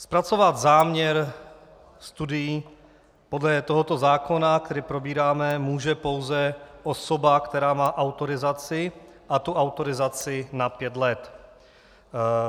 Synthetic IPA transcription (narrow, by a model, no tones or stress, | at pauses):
spɾat͡so̞vad̪zaːmɲɛɾ | st̪udɪji | podlɛt̪oɦot̪o̞zaːko̞nak̚t̪ɛɾiːpɾo̞biːɾaːmɛmuːʒɛpo̞wzɛʔoso̞bakt̪ɛɾaːmaːʔawt̪o̞ɾɪzat͡sɪ | ʔat̪uʔawt̪o̞ɾɪzat͡sɪnapjɛt̪lɛt̪